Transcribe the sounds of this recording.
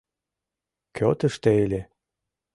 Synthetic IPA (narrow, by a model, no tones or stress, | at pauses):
kʰʲøt̪əʃt̪eelʲe